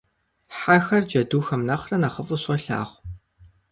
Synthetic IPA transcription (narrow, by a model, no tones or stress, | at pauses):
ħaxɐrd͡ʒɐduːxɐmnɐχrɐnɐχəfʼʊɕɔɬa̰ːχʷ